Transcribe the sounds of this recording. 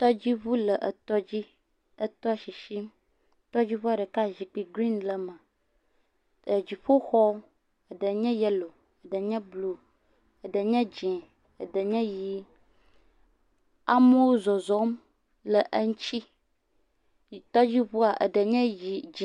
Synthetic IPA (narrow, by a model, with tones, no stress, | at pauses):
t̪ɔ˦d͡ʑi˦βu˦lə˨ʔə˨t̪ɔ˦d͡ʑi˦ | ə˦t̪ɔ˦ʃi˨ʃi˦m | t̪ɔ˦d͡ʑi˦ɸu˦a˨ɖə˨ka˦ʒi˨k͡pi˨ɡɾi˦nlə˦mə̃˨ | ə˨d͡ʑi˨ɸo˦xɔ˦ | ə˨ɖə˨ɲɛ̃˦jɛ˦lo˨ | ə˨ɖə˨ɲɛ̃˦blu˨ | ə˨ɖə˨ɲɛ̃˦d͡ʒɛ̃˨ | ə̰˨ɖə˨ɲɛ̃˦ji˦ | a˦mə˦wo˦zɔ˨zɔ˦m | lə˨ʔə˦ŋ˦t͡ɕi˦˨ | t̪ɔ˦d͡ʑi˦βu˦a˨ʔə̰˨ɖə˨ɲɛ̃˦ji˨d͡ʒi˨